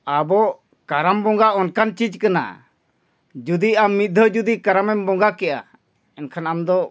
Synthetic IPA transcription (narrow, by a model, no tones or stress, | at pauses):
abɔ | kaɾambɔŋɡaʔɔnkant͡ʃid͡ʒkana̰ | d͡ʒud̪iamːit̪̚d̪ʱəd͡ʒud̪ikaɾamɛmbɔŋɡakɛja̰ | ɛnkʰanamd̪ɔ